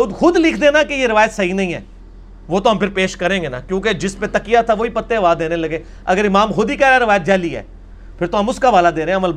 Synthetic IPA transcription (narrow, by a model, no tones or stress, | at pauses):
d̪xʊd̪lɪkʰd̪ẽːnakejeɾɪʋaːjət̪sɐɦinɐɦĩːɦɛ̰ː | ʋoːt̪oɦɐmpʰɪɾpeːʃkɐɾẽːŋɡena̰kjõːked͡ʒɪspet̪ɐkɪjat̪ʰaʋoipɐt̪ːẽɐʋaːd̪eːnelɐɡẽː | ɐ̰ɡəɾɪmaːmxʊd̪ikaɾaɾɪʋaːjət̪̚d͡ʒɛːliɦɛ̰ː | pʰɪɾt̪oɦɐmʊskaʋaːlad̪eːɾẽɦɛ̃ɐməlb